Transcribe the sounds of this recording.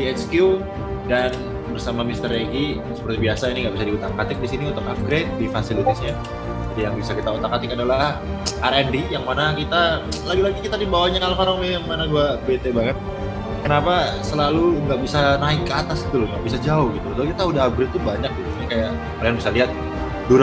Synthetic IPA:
diɛt͡ʃkju | dan | bərsamamist̪ərɾeɡi | sə̥pərt̪ibiasainiŋɡabis̬adiut̪aŋkat̪ɪk̚disiniut̪ʊkaf̚ɡɾet̪̚difasilit̪asɲa | d͡ʒadijaŋbisakit̪aut̪akːat̪ɪkadalah | ʔarɛndijaŋmanakit̪alaɡilaɡikit̪adibawaɲaalafaɾaŋmemːanaɡuabet̪ebaŋət̪̚ | kənapasəlaluŋɡaʔbisanaɪkːəat̪asɡit̪ulʊŋɡaʔbisad͡ʒaʊhɡit̪ult̪akit̪audaɦap̚ɡɾet̪ːubaɲak̚ɡit̪uɲakajaʔ | kalianbisaliɦat̪̚ | duɾ

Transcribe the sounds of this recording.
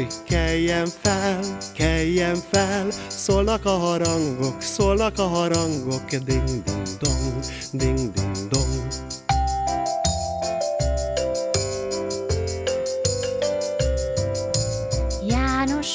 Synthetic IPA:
kʰːɛjːɛɱfɛlkʰɛjːɛɱfɛlsoːlnɒkɒɦɒɾɒŋɡoksoːlnɒkɒɦɒɾɑŋɡokd̪iŋd̪iŋd̪om | d̪iŋd̪iŋd̪om | jaːnoʃ

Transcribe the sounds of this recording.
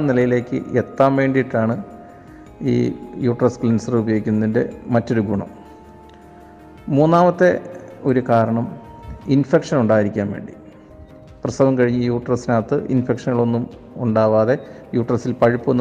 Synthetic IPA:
nilɐjile̞ːkːɨ̰et̪ːaːmʋe̞ːɳɖijiʈːaːɳɨ | ḭːjuːʈrɐsklinsɐrubɐjoɣikʲːunːɐðinde̞mɐtːo̞ɾuɡʱuɳɐ̰m | muːnːaːmɐt̪ːe̞o̞ɾukaːɾɐɳɐm | infe̞kʂɐnuɳɖaːjiɾikʲːaːnʋeːɳɖi | prɐsɐʋɐmkɐɻiɲːɨijuːʈːrɐsinaːt̪ːɨʔḭnfekʂɐnːɐɭo̞nːum | uɳɖaːʋaːðe̞ | juːʈrɐsilpɐɻipːuonː

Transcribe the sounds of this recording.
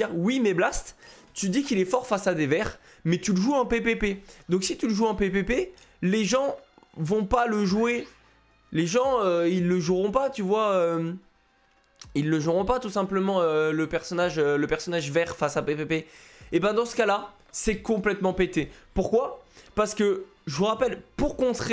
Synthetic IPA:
ʁwimɛblast̪ | t̪yd̪ikʲilɛfɔʁfasad̪evɛʁ | mɛt̪yləʒuɛ̃pepeped̪ɔ̃ksit̪yləʒuɛ̃pepepe | leʒɑ̃vɔ̃paləʒue | leʒɑ̃øilːəʒuʁɔ̃pat̪yvwaøm | ilːəʒuʁɔ̃pat̪usɛ̃pləmɑ̃øləpɛʁsɔnaʒøləpɛʁsɔnaʒvɛʁfasapepepeebɛ̃d̪ɑ̃sə̥kala | sɛkɔ̃plɛt̪mɑ̃pet̪epuʁkwapaʁsə̥kə | ʒəəʁapɛlpuʁkɔ̃t̪χ

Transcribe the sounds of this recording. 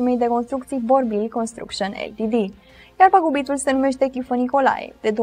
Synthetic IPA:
imejd̪e̞ko̞nst̪ɾukt̪siboɾbilkonst̪ɾṵkʃonḛlt̪id̪i | jarpəɡubit̪ulsenume̞ʃ̬t̪ekʲifəniko̞la̰jḛd̪̥ed̪o

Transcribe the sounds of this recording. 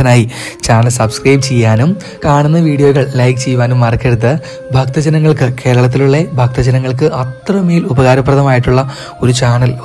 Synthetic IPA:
ɐnaːji | t͡ɕaːɳɐlsɐbskrɐjbt͡ɕejːaːnum | kaːɳunːɐʋiːɖijoːɣɐɭlɐjkt͡ɕejːʋaːnumːɐrɐkːeɽut̪ːɨ | bʱɐk̚t̪ɐd͡ʑɐnɐŋːɐɭkɨke̞ːɾɐɭɐt̪̬ːiluɭːebʱɐk̚t̪ɐd͡ʑɐnɐŋːɐɭk̬ɨʔɐt̪rɐmeːlubɐɣaːɾɐprɐðɐmaːjiʈːuɭːɐ | o̞ɾut͡ɕaːɳɐl

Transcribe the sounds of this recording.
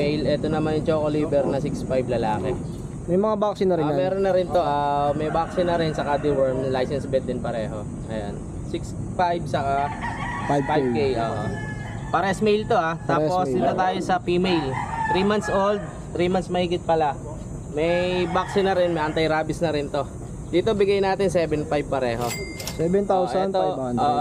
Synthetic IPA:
ɛjlʔɛt̪o̞nɐmanjʊŋt͡ʃoːkoliːbɛɾnɐsɪksfajblɐlaːkɛ | mɐjmɐŋabaksɪnɐɾɪmɛːɾonɐɾɪnt̪o̞ʔamɐjbak̚sɪnɐɾɪnsɐkad̪ɪwɛɹmlajsɛnsbɛt̪̚d̪ɪnpɐɾɛːɦo̞ | ŋɐjo̰n | sɪks | fajbsɐka | ffajb̚kejʔo̰ːʔo̰ | pɐɾɛsmejlt̪o̞ʔat̪aːposd̪ɪt̪ot̪aːjosɐfiːmejlt̪ɾiːmant̪sʔold̪̚ | t̪ɾiːmansmɐhiːɡɪt̪̚pɐla | mɐjbak̚sɪnɐɾɪnmɐjʔɐnt̪ɐjɾaːbɪsnɐɾɪnt̪o̞ | d̪iːt̪obɪɡajnaːt̪ɪŋsɛːbɛnfajb̚pɐɾɛːɦo̞ | sɛbɛnt̪awst̪oʔoːʔ

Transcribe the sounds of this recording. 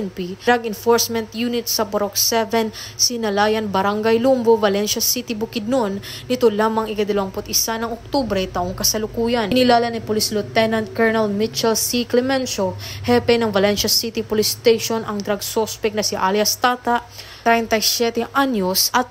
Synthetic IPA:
npiɾaɡɪnfoɹsmɛnt̪junɪt̪̚sɐpoɾoksɛvɛnsɪnɐlaːjɐnbɐɾaŋɡɐjlumbovɐlɛnʃɐsit̪ɪbʊkɪd̪̚nonnɪt̪o̞laːmɐŋɪkɐd̪ɐlɐwɐŋpʊt̪ʔɪsanɐŋok̚t̪ubɾɛjt̪ɐʔoŋkɐsɐlʊkuːjɐnnɪlaːlɐnɐpolislʊt̪ɛnɐnt̪̚kɛɹnɛlmɪt͡ʃɛlsiklɛmɛnʃohɛpɛnɐŋvɐlɛnʃɐsit̪ipolist̪ejʃonɐŋd̪ɾɐɡ̚sospɛk̚nɐsɪʔaljɐst̪aːt̪aʔ | ɾant̪ɐjsjɛt̪ɛʔanjosʔɐt̪̚

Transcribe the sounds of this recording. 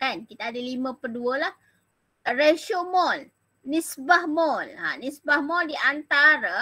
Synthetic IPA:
ankit̪aːdəlimə̃pərduəlah | reʃomɔlː | ĩsbahmɔlã̰nisbahmɔldiʔant̪aɾa

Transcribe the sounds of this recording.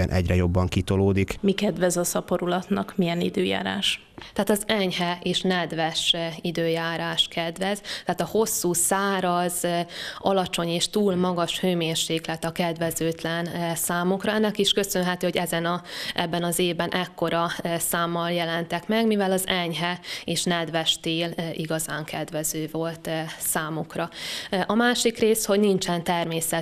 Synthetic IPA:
ɛnʔɛɟrɛjo̞bːɒŋkit̪o̞loːd̪ikmikɛd̪vɛzɒsɒpoɾulɒt̪nɒkmijɛnid̪øːja̰ːɾa̰ːʃ | t̪ɛɦaːt̪ɒzɛɲɦɛeːʃnɛd̪vɛʃid̪øːjaːɾaːʃkʰɛd̪ʋɛzt̪ɛaːt̪ɒho̞sːuːsaːɾɒzɒlɒt͡ʃo̞ɲeːʃt̪uːlmɒɡɒʃhøːmeːrʃeːklɛt̪ɒkɛd̪vɛzøːt̪lɛnsaːmukrɒɛnːɛkiʃkø̞sønɦɛt̪øːɦoɟɛzɛnɒʔɛ̰bːɛnɒzeːvbɛnʔɛkːo̞ɾɒsaːmːɒljɛlɛnt̪ɛkmɛɡmivɛlɒzɛɲɦɛeːʃnɛd̪vɛʃt̪eːliɡɒzaːŋkʰɛd̪vɛzøːvo̞lt̪saːmukrɒʔɒmaːʃikreːsho̞ɟnint͡ʃɛnt̪ɛrmeːsɛ

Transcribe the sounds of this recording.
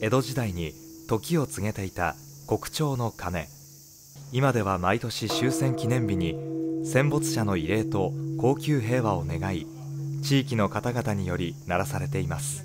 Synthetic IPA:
e̞d̪o̞ʑid̪aiɲ̟it̪o̞kʲio̞t͡sɨɡe̞t̪e̞it̪a̰ | ko̞kɯ̟̥t͡ɕo̞ːno̞kane̞̰ | imad̪e̞β̞amait̪o̞ɕiɕɨːsẽ̞ŋkʲinẽ̞mbʲiɲ̟isẽ̞mbo̞t͡sɨ̥ɕano̞ie̞ːt̪o̞ko̞ːkʲɨːɦe̞ːβao̞ne̞ɡai | t͡ɕiːk̬ʲino̞kat̪aɡat̪aɲ̟ijo̞ɾʲinaɾasaɾe̞t̪e̞imasɨ̥

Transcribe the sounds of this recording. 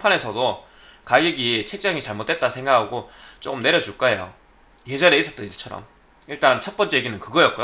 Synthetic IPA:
pʰane̞sʰʌdo | kaɡiɡit͡ɕʰe̞k̚t͡ɕ͈aŋit͡ɕaɭmot͈e̞t͈̚asʰe̞ŋɡakʰaɡot͡ɕ͈okɯmne̞ɾjʌd͡ʑuɭk͈aejo̰ | jed͡ʑʌɾeis͈ʌt͈ʌiɭt͡ɕʰʌɾʌ̰m | iɭt͈ant͡ɕʰʌt̚p͈ʌnt͡ɕ͈eɡinɯnkɯɡʌjʌt̚k͈ojo

